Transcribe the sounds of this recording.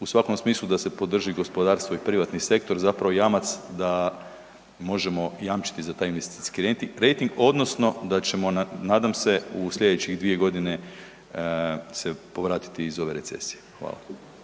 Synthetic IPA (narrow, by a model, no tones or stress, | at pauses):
usʋako̞msmiːslˠud̪ase̞po̞d̪r̩ʒiɡo̞spo̞d̪aːɾst̪ʋo̞ipɾiʋat̪nise̞k̚t̪o̞ɾzapɾaʋo̞jamat̪sd̪a | mo̞ʒe̞mo̞jamt͡ʃi̥t̪izat̪aːjinʋest̪i̥skiɾe̞nt̪iɾejt̪iŋɡo̞d̪no̞sno̞d̪at͡ʃe̞mo̞naːd̪amse̞uslʲʎʲe̞d̪et͡ɕiɣd̪ʋie̞ɡo̞d̪ine̞ | se̞po̞ʋɾaːt̪i̥t̪iːzo̞ʋe̞ɾe̞t̪se̞̰si̥jexʋa̰ːla̰